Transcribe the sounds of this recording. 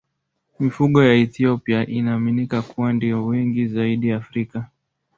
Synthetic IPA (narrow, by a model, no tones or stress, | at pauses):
mifuɠɔjaɛθiɔpiaʔinaːminikakuwandijɔwɛŋɡizaiɗijaːfɾika